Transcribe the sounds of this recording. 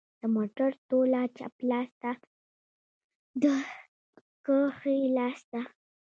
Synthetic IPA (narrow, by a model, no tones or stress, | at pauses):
d̪̥əmoʈaɾt̪olat͡ʃa̰plɑsd̪a | d̪ə | kəxəilɑsd̪a